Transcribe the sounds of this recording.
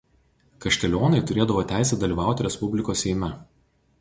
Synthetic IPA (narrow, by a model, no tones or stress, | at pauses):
kɐʃʲt̪ʲɛlʲoːnɐɪt̪ʊɾʲeːd̪ɐʋoːt̪ʲæˑɪsʲɛd̪ɐlʲiːʋɑˑʊt̪ʲɪɾʲɛspʊbʲlʲɪkoːsːʲɛɪmʲɛ